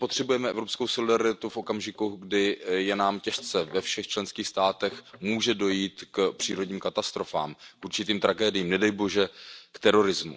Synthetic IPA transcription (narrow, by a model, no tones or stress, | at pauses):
pot̪r̥ɛbujɛmɛɛvɾopskowsolɪdaɾɪt̪ufʔo̞kamʒɪkuɡdɪjɛnaːmcɛʃt͡sɛvɛfʃɛxt͡ʃlɛnskiːxst̪aːt̪ɛxmuːʒɛdo̞jiːt̪kpr̥iːɾo̞dɲiːmkat̪ast̪ɾo̞fa̰ːmkʔuɾt͡ʃɪt̪iːmt̪ɾaɡɛːdɪjiːmnɛdɛjbo̞ʒɛkt̪ɛɾo̞ɾɪzmṵ